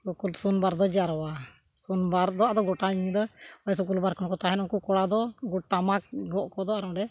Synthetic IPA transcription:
ukulsunbaɾd̪ɔd͡ʒaɾɔwa | sunbaɾd̪ɔad̪ɔɡɔʈaiɲid̪ɔɔs̬ɔk̬ulbaɾkɔnkɔt̪aɦɛnɔkukɔɽad̪ɔɡut̪amak̚ɡɔʔkɔd̪ɔaɾɔɖɛ

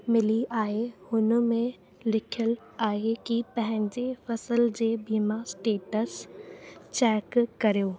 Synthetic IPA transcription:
mɪliaːɦehʊnəmẽ | lɪkʰjəl | aːɦekipɐ̃ɦɪ̃ɲd͡ʑefɐsəld͡ʑeːbiːmasʈeːʈəs | t͡ɕɛːkkɐɾijoː

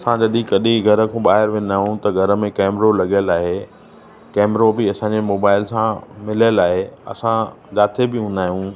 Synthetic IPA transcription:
ɐsãd͡ʑɐɗĩkɐɗĩɡʱɐɾə̆kʰõːɓaːɦɪɾʋẽn̆d̪aːɦijũt̪ɐɡʱɐɾə̆mẽkɛːmɾolɐɡjəlaːɦe | kɛːmɾobɪɐsãːɲd͡ʑemoːbaːɪlsãmɪləlaːɦeɐ̰sã | d͡ʑaːt̪ʰebɪɦũːnd̪aːɦijũ

